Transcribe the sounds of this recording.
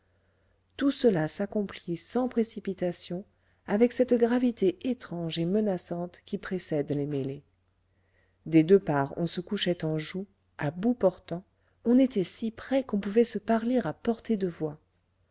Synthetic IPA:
t̪usəlasakɔ̃plisɑ̃pχesipit̪asjɔ̃ | avɛksɛt̪ɡʁavit̪eʔet̪χɑ̃ʒemənasɑ̃t̪kʲipχesɛd̪lemele | d̪ed̪øpaʁɔ̃səkuʃɛt̪ɑ̃ʒu | abupɔʁt̪ɑ̃ | ɔ̃net̪ɛsipχɛkɔ̃puvɛsəpaʁleʁapɔʁt̪ed̪əvwa

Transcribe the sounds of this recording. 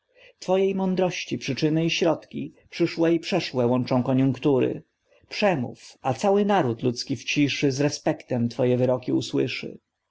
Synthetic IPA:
t̪fɔjejmɔnd̪ɾɔɕt͡ɕipʂɘt͡ʂɘnɘiɕɾɔt̪kʲḭpʂɘʂwɛipʂɛʂwɛwɔnt͡ʂɔ̃w̃kɔɲũŋkt̪uɾɘ̰ | pʂɛmṵfat̪sawɘnaɾut̪lut̪skʲift͡ɕiʂɘzɾɛspɛkt̪ɛmt̪fɔjɛvɘɾɔkʲiuswɘʂɘ̰

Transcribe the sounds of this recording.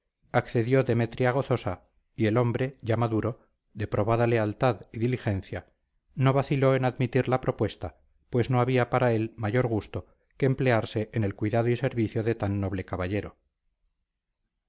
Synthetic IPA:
akθe̞ðjo̞ðe̞met̪ɾjaɣ̞o̞θo̞sa | ie̞lo̞mbɾe̞ʝamaðuɾo̞ | ðe̞pɾo̞βaðale̞alt̪aðiðilixe̞nθja | no̞βaθilo̞e̞naðmit̪iɾlapɾo̞pwe̞st̪a | pwe̞zno̞aβiapaɾae̞lmaʝo̞ɾɣ̞ust̪o̞ | keːmple̞aɾse̞ʔenelkwiðað̞oise̞ɾβiθjo̞ðe̞t̪anːo̞β̞le̞kaβaʎe̞ɾo

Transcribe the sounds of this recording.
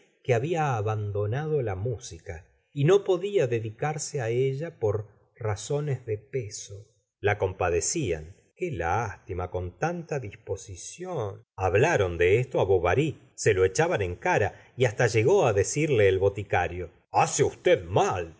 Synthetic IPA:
keaβiaːβand̪o̞nað̞o̞lamusika | ino̞po̞ðiaðe̞ðikaɾseaeʒapo̞ɾ | raso̞nezðe̞peso | lako̞mpaðe̞sia̰n | kelast̪imako̞nt̪ant̪aðispo̞sisjonaβlaɾo̞nd̪e̞est̪oaβoβaɾi | se̞lo̞et͡ʃaβane̞ŋkaɾa | iast̪aʒe̞ɣo̞aðe̞siɾleːlβo̞t̪ikaɾjo̞ | aseust̪eðmal

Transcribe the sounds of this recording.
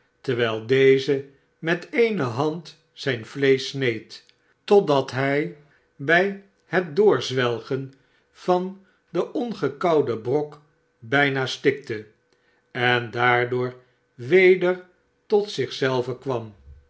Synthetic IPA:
təɹʋɛjlˠdejzə | mɛtejnəɦɑnt | sɛjnvlejsnejt | tɔdɑtɦɛj | bɛj | hət̚dʊːɹzʋɛlˠχən | v̥ɑn | dəʔɔnχəkɑwdəbrɔk | bɛjnaːstɪk̚tə | ɛndaːɹdʊːɹ | ʋejdəɹ | tɔtsɪχsɛlˠvəkʋɑm

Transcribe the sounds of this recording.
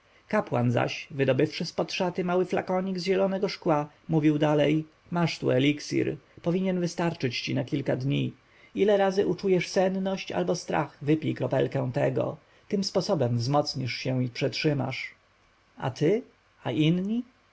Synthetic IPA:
kapwa̰nza̰ɕvɘd̪ɔbɘfʂɘspɔt̪ʂat̪ɘmawɘfla̰kɔɲiɡzʑɛlɔnɛɡɔʂkwa | muvʲiwd̪alɛj | maʂt̪ṵɛlʲiksḭɾpɔvʲiɲɛnvɘst̪aɾt͡ʂɘt͡ɕt͡ɕinakʲilkad̪ɲi | ilɛɾazɘʔut͡ʂujɛʂsɛnnɔɕt͡ɕa̰lbɔst̪ɾa̰xvɘpʲikɾɔpɛ̰lkɛw̃t̪ɛɡɔ̰ | t̪ɘmspɔsɔbɛmvzmɔt̪sɲiʂɕɛ̃w̃ipʂɛtʂɘma̰ʂ | a̰t̪ʰɘ | aʔinɲi

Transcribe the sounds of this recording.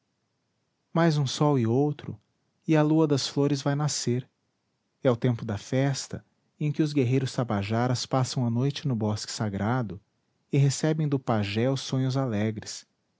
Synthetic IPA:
majzũsɔwɪowt̪ɾʊ̰ | ɪɐluɐd̪ɐsfloɾɪzvajnaseɾ | ɛʊt̪ẽmpʊd̪ɐfɛst̪ɐ̰ | ẽkʲɪʊzɡeɦejɾʊst̪abaʒaɾɐspasɐ̃w̃ɐnojt͡ʃɪnʊbɔskɪ̥saɡɾad̪ʊ | ɪɦesɛbẽj̃d̪ʊpaʒɛʊsːõɲʊzalɛɡɾɪs

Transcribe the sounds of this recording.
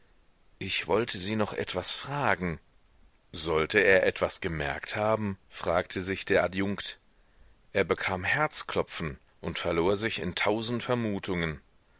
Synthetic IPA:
ʔɪçv̥ɔltʰəziːnɔχʔɛ̰tv̥asfʁ̥aːɡŋ̩ | zɔltʰəeːɐʔɛtv̥asɡ̥əmɛɐkthaːbm̩fʁ̥aːktʰəzɪçd̥eːɐʔadjʊŋkt | ʔeːɐbəkʰaːmhɛɐt͡skl̥ɔpp͡fn̩ | ʔʊntfɛɐloːɐzɪçɪ̰ntʰaʊzn̩tfɛɐmuːtʰʊŋən

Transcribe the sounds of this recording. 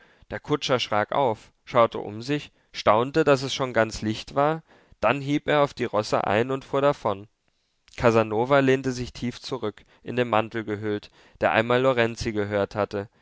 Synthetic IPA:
d̥eːɐkʰʊt͡ʃɐʃʁ̥a̰ːkʔa̰ʊf | ʃaʊtʰə̰ʔʊ̰mzɪç | ʃtaʊntədasɛsʃoːnɡant͡slɪçtv̥aːɐ | d̥anɦiːlpeːɐaʊfd̥iːʁɔsə̰ʔa̰ɪnʊntfuːɐɾafɔn | kʰazanoːvaleːntəzɪçtʰiːft͡suʁʏk | ʔɪndeːnmantl̩ɡəɦʏlt | d̥eːɐʔa̰ɪnmaːlːoʁɛnt͡siɡəɦøːɐthatə

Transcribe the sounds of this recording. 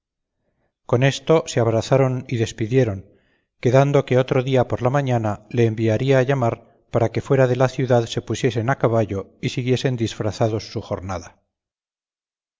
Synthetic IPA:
ko̞ne̞st̪o̞se̞aβɾaθaɾo̞niðe̞spiðje̞ɾo̞ŋ | ke̞ðand̪o̞keo̞t̪ɾo̞ðiapo̞ɾlamaɲanale̞ːmbiaɾiaːʝamaɾ | paɾake̞fwe̞ɾaðe̞laθjuðaðse̞pusje̞se̞nakaβaʝo̞isiɣje̞se̞nd̪isfɾaθaðo̞sːuxo̞ɾnaða

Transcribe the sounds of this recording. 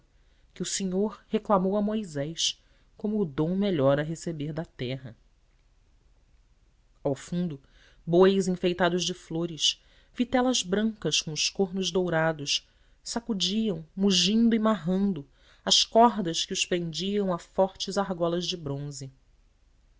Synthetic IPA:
kɪuseɲoɾheklamowɐmojzɛjs | kõmʊːd̪õw̃meʎɔɾɐɦesebeɾd̪ɐt̪ɛɦɐ | awfũd̪ʊ | bojzĩfejt̪ad̪ʊʒd͡ʒɪfloɾɪʃ | vit̪ɛlɐzbɾɐ̃ŋkɐskõʊʃkoɾnʊʒd̪owɾad̪ʊs | sakud͡ʒiɐ̃w̃muʒĩnd̪ʊimaɦɐ̃nd̪ʊ | ɐʃkɔɦd̪ɐskɪʊspɾẽnd͡ʒiɐ̃w̃ɐfɔɾt͡ʃɪzaɦɡɔlɐzd͡ʒɪbɾõzɪ

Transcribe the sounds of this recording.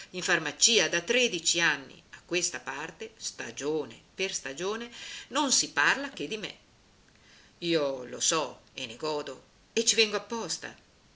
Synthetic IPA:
iɱfarmat͡ʃiːad̪at̪ɾɛd̪it͡ʃianːḭakːwest̪apart̪est̪a̰d͡ʒoːnḛperst̪ad͡ʒoːnenonsiparlak̟ed̪imḛ | iːolo̰sɔenːeɡɔːd̪o | et͡ʃːivɛŋɡoapːɔst̪a̰

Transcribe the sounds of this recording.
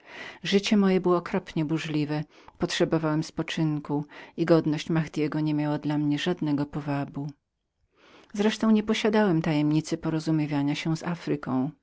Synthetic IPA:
ʐɘt͡ɕɛmɔjɛbɘwɔːkɾɔpɲɛbuʐlʲivɛ | pɔtʂɛbɔvawɛmspɔt͡ʂɘŋkuiɡɔd̪nɔɕt͡ɕmaxd̪ʲjɛɡɔɲɛmʲjawad̪lamɲɛʐad̪nɛɡɔpɔvabu | zɾɛʂt̪ɔ̃w̃ɲɛpɔɕad̪awɛmt̪ajɛmɲit̪sɨpɔɾɔzumʲjivʲjaɲaɕɛzafɾɘkɔ̃w̃

